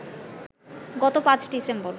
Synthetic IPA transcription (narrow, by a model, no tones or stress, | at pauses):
ɡɔt̪opãt͡ɕɖisembɔɾ